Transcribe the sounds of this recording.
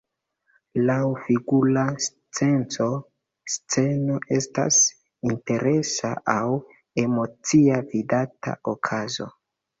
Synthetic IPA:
lawfiɡulas | t͡se̞nt͡so̞ | st͡se̞no̞ʔe̞sta̰s | inte̞ɾe̞saʔaw | e̞mo̞t͡siavidata̰okʰazo̞̰

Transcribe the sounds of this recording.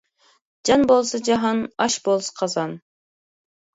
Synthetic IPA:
d͡ʒɑnbolˠsɑd͡ʒɑɦɑnɑʃbolˠsɑ̥qʰɑzɑn

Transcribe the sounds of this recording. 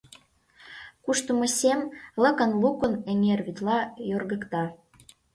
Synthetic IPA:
kuʃt̪əmosʲemlɤ̆kə̆nlukə̆neŋerβit̪lɑjorɣə̆kt̪ɑ

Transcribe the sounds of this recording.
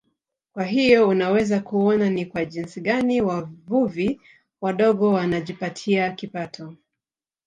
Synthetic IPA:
kwaɦijɔunawɛzakuɔnanikwaʄinsiɠaniwavuvi | waɗɔɠɔwanaʄipatʰiakipatʰɔ

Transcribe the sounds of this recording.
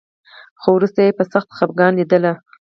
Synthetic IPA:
xowɾust̪ajepəsaxt̪xap̚ɡɑnlid̪əla

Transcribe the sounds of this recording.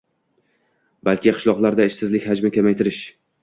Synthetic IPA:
balkʲɪqʰɨ̥ʃlˠɒqlˠaɾd̪aɪʃsɪzlɪkʲhad͡ʒmɪkʲamajt̪ʰɪɾɪʃ

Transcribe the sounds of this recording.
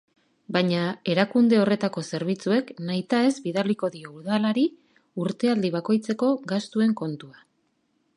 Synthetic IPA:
bajɲae̞ɾakund̪e̞o̞re̞t̪ako̞se̞ɾβit͡sue̞knajt̪aezbiðaliko̞ðio̞uɾð̞alaɾi | uɾt̪e̞ald̪iβ̞ako̞jt͡se̞ko̞ɡast̪ue̞ŋko̞nt̪ua

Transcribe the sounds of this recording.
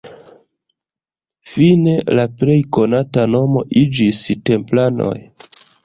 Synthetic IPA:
fine̞laple̞jko̞natano̞mo̞ʔid͡ʒiste̞mplano̞̰j

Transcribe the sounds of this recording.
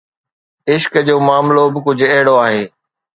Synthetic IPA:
ɪʃkd͡ʑoːmaːmlobɪkʊd͡ʑʱʊ̆ɛɦɪɽoaːɦeː

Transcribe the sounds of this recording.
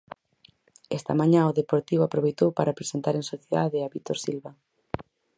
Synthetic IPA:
ɛst̪ɐmãɲãoðepoɾt̪iβoapɾoβejt̪owpaɾapɾesent̪aɾeŋsoθjeða̰ðeaβit̪oɾsilβa

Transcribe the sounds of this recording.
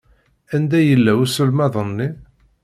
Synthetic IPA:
ænd̪æjəlːæwusəlmæðˤənːi

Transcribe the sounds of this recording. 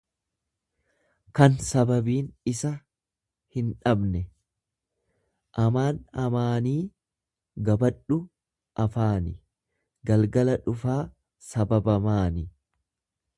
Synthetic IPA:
kɐnsɐbɐbiːnɪsɐ | hɪnᶑɐbnɛ | ʔɐmaːnɐmaːniː | ɡɐbɐᶑʊ | ʔɐfaːnɪ | ɡɐlɡɐlɐᶑʊfaː | sɐbɐbɐmaːnɪ

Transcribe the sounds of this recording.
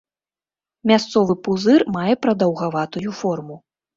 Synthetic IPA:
mʲast̪sɔvɨpuzɨrmajɛpɾɐd̪ɐwɣavat̪ujufɔrmu

